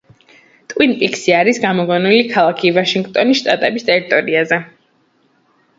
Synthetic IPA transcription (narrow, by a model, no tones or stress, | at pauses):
t̪ʼwinpʼiksiaɾisɡamɔɡɔnulikʰalˠakʰivaʃiŋɡt̪ʼɔnisʃt̪ʼat̪ʼɛbist̪ʼɛɾit̪ʼɔɾiazɛ